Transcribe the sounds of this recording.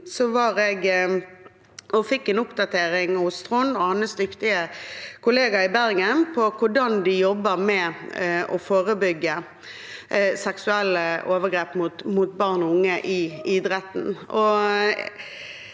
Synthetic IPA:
sɔʋɑɾɛɡ | ɔfɪkːɛnʊpd̪ɑt̪ʰeːɾɪŋɑʊst̪ʁʊnɔhɑnːəsd̪ʏkt̪ɪəkʊleːɡɑɪbæɾɡənpʰɔkʰʊɖɑnd̪ɪjɔbːəmɛ | ɔfoːʁəbʏɡːə | sɛksʉɛlːəoːʋəɡɾeːpmʊt̪mʊt̪̚bɑʁnɔʊŋːəʔɪid̪ʁɛt̪n̩ɔ

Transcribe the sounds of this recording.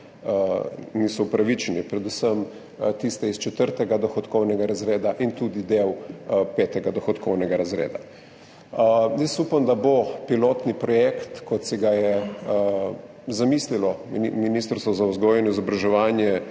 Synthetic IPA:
niːsɔupɾaʋit͡ʃɛnipɾɛd̪usəm | t̪ist̪ɛist͡ʃɛt̪əɾt̪ɛɡad̪ɔxɔt̪kɔwnɛɡaɾazɾeːd̪aʔint̪ud̪id̪ewpɛːt̪ɛɡad̪ɔxɔt̪kʰɔwnɛɡaɾazɾḛːd̪a̰ | jəsupamd̪abopiloːt̪nipɾɔjekt̪kɔt̪sɛɡajɛ | zamislilɔminist̪əɾst̪ʋɔzauzɡɔjɛnɔizɔbɾaʒɛʋaːnjɛ

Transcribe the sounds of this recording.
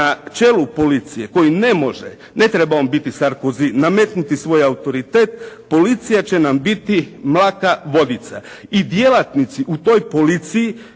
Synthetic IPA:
at͡ʃe̞lupo̞lit̪sije̞ko̞jine̞mo̞ʒḛ | ne̞t̪ɾebaombit̪isaɾkoziname̞t̪nut̪isʋo̞jaut̪o̞ɾit̪e̞ːt̪̚po̞lit̪sijat͡ɕe̞nambit̪imlˠaːkaʋo̞d̪it̪sa̰ | id̪jelˠat̪nit̪siʔut̪o̞jpo̞lit̪siji

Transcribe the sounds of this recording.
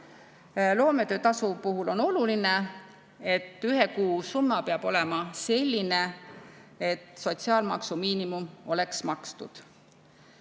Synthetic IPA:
lo̞ːme̞t̪ø̞ːt̪ɑsupuɦulo̞no̞luline | e̞t̪ːˑyɦe̞kuːsumːɑpeɑb̥o̞lɛ̞mɑse̞lʲːine | et̪ːso̞t̪ʲsiɑːlmɑ̰ksumiːnimumo̞le̞ksmɑkst̪ṵd̪̥

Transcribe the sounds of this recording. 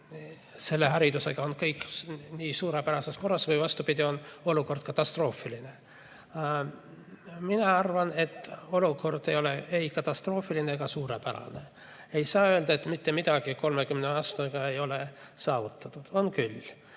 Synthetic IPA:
se̞lːeɦɑɾid̪use̞ɡ̥ɑonkɤjkːniːsuːɾepæɾɑsesko̞rːɑsvɤjvɑst̪upid̪ʲio̞no̞luko̞rd̪̥̚kɑt̪ːˑɑst̪ro̞ːfiline̞ | minɑɑrvɑne̞t̪ːˑo̞luko̞rd̪̥e̞jo̞le̞e̞jkɑt̪ːˑɑst̪ro̞ːfilinekɑsuːɾepæɾɑ̰ne̞ | e̞jsɑːøld̪̥ɑet̪mit̪ːe̞mid̪ɑɡ̥iko̞lmekymneɑːst̪ɑɡ̥ɑe̞jo̞le | sɑːvut̪ːˑɑt̪ːˑud̪̥o̞nkyl

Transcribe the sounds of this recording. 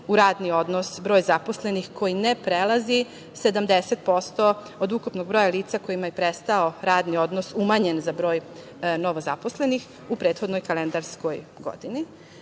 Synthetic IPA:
uɾaːd̪nio̞d̪nosbɾo̞ːjzapo̞sle̞nixko̞jinepɾelˠazi | se̞d̪amd̪eset̪̚po̞st̪o | od̪ukupno̞ɡ̚bɾo̞ːjaliːt̪sako̞jimajepɾest̪aoɾaːd̪nio̞d̪nosumaɲenzabɾo̞ːj | noʋozapo̞sle̞nix | upɾet̪xo̞d̪nojkalend̪aɾsko̞jɡo̞̰d̪ini

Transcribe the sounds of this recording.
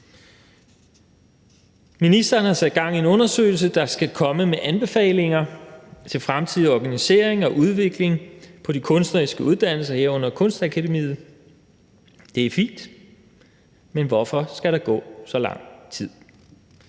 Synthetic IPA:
minisd̥ɐːnhɑ̈sæd̥̚ɡ̥ɑ̈ŋ̰ienɔ̽nɐsø̰ːɪl̩səd̥ɑ̈sɡ̥ækʰɒ̽məmeʔænb̥e̝fɛ̰ːɪle̝ŋɐt͡sʰe̝lfʁamt͡sʰið̰ˠiɒɡ̥ænise̝̰ːɐ̰e̝ŋɒ̽ʔuð̞ˠʋe̝ɡ̥le̝ŋpʰɒ̽dikʰɔ̽nsd̥nɐisɡ̥əuðˠd̥æn̰l̩sɐheɐ̰ɔ̽n̰ɐkʰɔ̽nsd̥ækʰæɾemḭːð̩ˠ | d̥e̝æɐfḭːnd̥ | menʋɒfɒ̽sɡ̥æɾɑ̈ɡ̥ɔ̰̽ːsɒ̽lɑ̈ŋ̰t͡sʰið̰ˠ

